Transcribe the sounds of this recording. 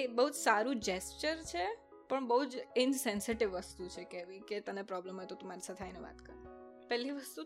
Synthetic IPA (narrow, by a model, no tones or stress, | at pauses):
ebəɦud͡ʒsaɾũd͡ʒest͡ʃəɾt͡ʃʰe | pəɳbəɦud͡ʒɪnsɛnsɪʈɪʋːəst̪ut͡ʃʰekeʋĩket̪ənepɾɔblemet̪ot̪ũmaɾisat̪ʰajneʋa̰t̪kəɾ | pɛlːiʋəst̪u